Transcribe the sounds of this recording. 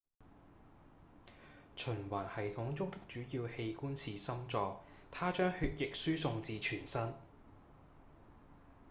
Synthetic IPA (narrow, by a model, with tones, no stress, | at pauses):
t͡ʃʰɵ˨˩nwaː˨˩nhɐ˨˩jt̪ʰʊ˨˥ŋt͡sʊ˥ŋt̪ɪ˥k̚t͡ʃyː˨˥jiː˧whe˧jkuː˥nsʰiː˨sɐ˥mt͡sɔː˨˧ | t̪ʰaː˥t͡ʃœː˥ŋhyː˧t̚jɪ˨k̚syː˥sʊ˧ŋt͡siː˧t͡ʃʰyː˨˩nsɐ˥n